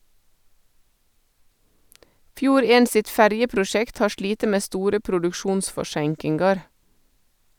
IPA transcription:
ˈfjuːɾ ˈeːn ˈsɪt ˈfæɾjəpɾʊˌʃɛkt ˈhɑː ˈʃɭiːtə ˈmeː ˈstuːɾə pɾʊdʉkˈʃuːnsfɔˌʃæŋkɪŋɡɑɾ

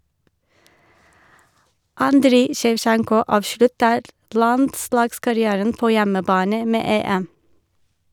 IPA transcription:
ˈɑndɾiː ʃɛʋˈʃæŋkɔ ˈɑːʋʃɭʉtəɾ ˈlɑndˌslɑːɡskɑɾɪˌæːɾən ˈpoː ˈjɛməˌbɑːnə ˈmeː ˈeːɛm

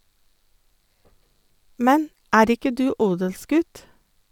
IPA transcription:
ˈmɛn ˈæːɾ ˈɪkə ˈdʉː ˈuːdəlˌsɡʉt

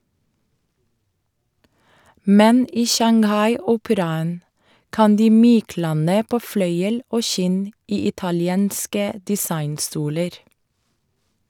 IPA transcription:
ˈmɛn ˈiː ʃɑŋˈhɑɪˌuːpəɾɑən ˈkɑn ˈdiː ˈmyːˌklɑnə ˈpoː ˈflœʏəl ˈoː ˈʃɪn ˈiː ɪtɑlɪˈeːnskə dɪˈsɑɪnˌstuːləɾ

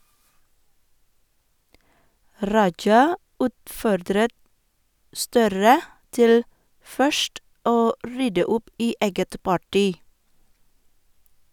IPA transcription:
ˈɾɑd͡ʒɑ ˈʉːtˌfɔɾdɾət ˈstœɾə ˈtɪl ˈfœʃʈ ˈoː ˈɾʏdə ˈʊp ˈiː ˈeːɡət ˈpɑˌʈiː

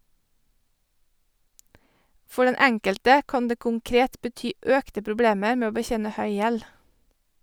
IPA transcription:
ˈfɔ ˈɖɛn ˈɛŋkəltə ˈkɑːn ˈdeː kʊŋˈkɾeːt bəˈtyː ˈœktə pɾʊˈbleːməɾ ˈmeː ˈoː bəˈçeːnə ˈhœʏ ˈjɛl

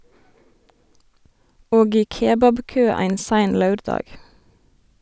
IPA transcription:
ˈoːɡ ˈiː ˈkeːbɑbˌkøː ˈæɪn ˈsæɪn ˈlɑʉɾˌdɑːɡ

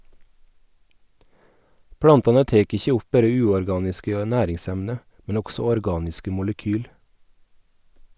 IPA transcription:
ˈpɽɑntɑnə ˈteːk ˈɪçə ˈʊp ˈbæɾə ˈʉːɔɾˌɡɑːnɪskə ˈnæːɾɪŋˌsɛmnə mn̩ ˈʊɡsɔ ɔɾˈɡɑːnɪskə mʊləˈkyːl

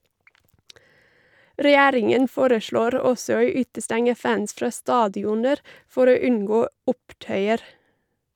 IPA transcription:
ɾɛˈjæːɾɪŋən ˈfoːɾəˌʃɭoːɾ ˈɔsɔ ˈoː ˈʉːtəˌstɛŋə ˈfæns ˈfɾɑː ˈstɑːdɪʊnəɾ ˈfɔɾ ˈoː ˈʉnˌɡoː ˈʊpˌtœʏəɾ

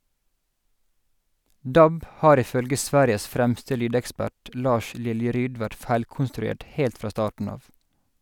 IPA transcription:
ˈdɑb ˈhɑːɾ ˌɪˈfœlɡə ˈsʋæːɾɪəs ˈfɾæmstə ˈlyːdɛkˌspæʈ ˈlɑːʃ ˈlɪljəˌɾyːd ˈʋæʈ ˈfæɪlkʊnstɾʉˌeːʈ ˈheːlt ˈfɾɑː ˈstɑːʈɳ̩ ˈɑːʋ

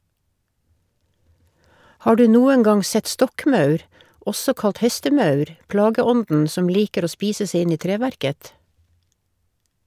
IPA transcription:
ˈhɑː ˈɖʉː ˈnuːə ˈŋɑŋ ˈsɛt ˈstɔkˌmɑʉɾ ˈɔsɔ ˈkɑlt ˈhɛstəˌmɑʉɾ ˈplɑːɡəˌɔndn̩ ˈsɔm ˈliːkəɾ ˈoː ˈspiːsə ˈsɛ ˈɪn ˈɪ ˈtɾeːʋæɾkət

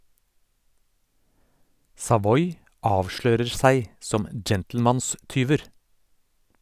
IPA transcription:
sɑˈʋɔʏ ˈɑːʋˌʃløːɾəɾ ˈsæɪ ˈsɔm ə ˈd͡ʒɛntl̩ˌmɑnˌstyːʋəɾ

